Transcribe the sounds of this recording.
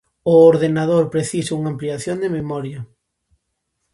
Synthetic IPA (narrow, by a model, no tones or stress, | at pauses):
ʊoɾðenað̞oɾpɾeθisɪuŋampliaθjond̪ememɔɾjɐ